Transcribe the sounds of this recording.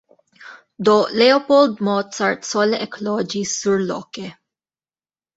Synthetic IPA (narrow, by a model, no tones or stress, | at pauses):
d̪ɔːʔlɛopɔld̪mɔːt̪sɐɹt̪sɔleʔɛklɔːd͡ʒisuɾlɔ̰ke